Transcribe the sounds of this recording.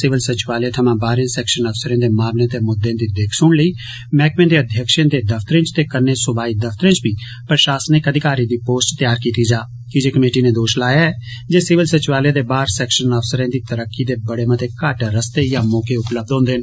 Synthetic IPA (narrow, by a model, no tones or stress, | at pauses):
sɪʋəlsɪt͡ʃɪʋaːlẽt̪ʰəmãːbaːɾẽsɛːkʃənəfsəɾẽːd̪eːmaːmlẽːt̪emʊd̪ːẽːd̪iːd̪eːkʰsʊɽ̃ləiː | mɛːkmẽːd̪eːəd̪ʱjəkʃẽːd̪eːd̪əfʰt̪əɾẽːt͡ʃt̪eːkənːẽːsʊbaːiːd̪əfʰt̪əɾẽt͡ʃbʱiː | pɾəʃaːsənɪkəd̪ʱɪkaːɾid̪iːpoːsʈt̪jaːɾkiːt̪iːd͡ʒaː | kɪd͡ʒeːkəmeːʈiːnẽːd̪oːʃlaːjaːɛː | d͡ʒeːsɪʋəlsɪt͡ʃʋaːljẽd̪eːbaːɾsɛːkʃənəfsəɾẽːd̪iːt̪əɾəkːiːd̪eːbəɽeːmət̪ekaːʈɾəst̪eːjãːmoːkeʊpləb̚d̪ɦõːnd̪eːɦn